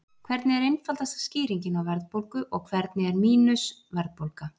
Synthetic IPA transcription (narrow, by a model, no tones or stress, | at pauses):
kʰvɛɾt̪nɪɛɾejnfalt̪ast̪ḁsciːɾiɲcɪnawvɛɾðpowlkʏʔɔɣkʰvɛɾt̪nɪɛɾmiːnʏsvɛɾðpowlka